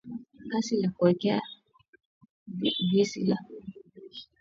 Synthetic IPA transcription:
kasilakuɛkɛa | visila

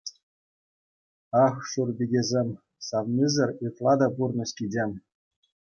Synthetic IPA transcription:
ɑxʂurbʲiɡʲezʲemʲ | sɑʋnʲizʲɘ̆rʲɯt̪lˠɑd̪ɑpurnɤ̆ɕkʲid͡ʑʲemʲ

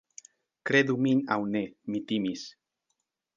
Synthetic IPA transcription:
kɾeðumina̰wnemit̪imis

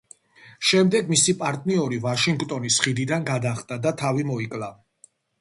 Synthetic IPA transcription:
ʃɛmd̪ɛɡmisipʼaɾt̪ʼniɔɾivaʃiŋɡt̪ʼɔnisχid̪id̪anɡad̪aχd̪ad̪at̪ʰavimɔikʼla

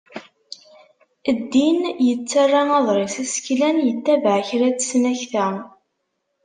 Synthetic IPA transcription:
əd̪ːinjət͡sːarˤːanɑðˤɾˤɪsæsə̥klænjət̪ːævʕçɾæt͡sːsnæçθæ

